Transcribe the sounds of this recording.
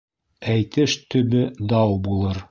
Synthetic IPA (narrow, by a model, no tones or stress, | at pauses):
æjt̪ɘʃt̪ɵ̆bɘd̪ɑwbulˠɤɾ